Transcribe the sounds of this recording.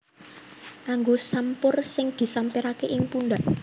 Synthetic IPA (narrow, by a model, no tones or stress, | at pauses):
kaŋɡosampʊrsɪŋd̪̥i̤sampiɾakeʔɪŋpunɖ̪aʔ